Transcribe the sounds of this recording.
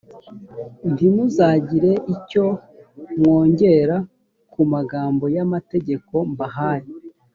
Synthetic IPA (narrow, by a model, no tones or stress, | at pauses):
ntimuzaɟiɾe̞ʔico̞ | mŋo̞ːɲɟe̞ɾa | kumaɡaːmbo̞jamate̞ɟe̞ko̞mbaɦaːje